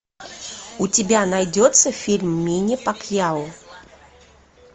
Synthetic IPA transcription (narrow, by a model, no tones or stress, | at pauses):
ʊtʲɪbʲanajdʲot̪səfʲilʲmːʲinʲɪpakjalʊ